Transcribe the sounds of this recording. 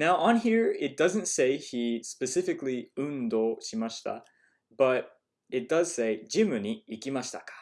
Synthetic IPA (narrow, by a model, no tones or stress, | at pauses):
naʊʔə̃nɦiɹɪt̚d̥azɨ̃ntseɪhispɛsɪfɪkliʉ̃nd̪oːɕimaɕt̪a̰ | baɾ | ɪt̚d̪̥az̥seɪd͡ʒĩmɨɲiːkimaɕt̪akḁ